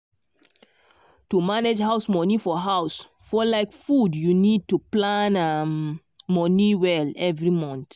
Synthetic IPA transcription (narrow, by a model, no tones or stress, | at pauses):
tumaned͡ʒɦaʊsmɔnifɔɦaʊs | fɔlaɪkfudjunid̚tuplãnamː | ɔniwɛlɛvɹimɔ̃nt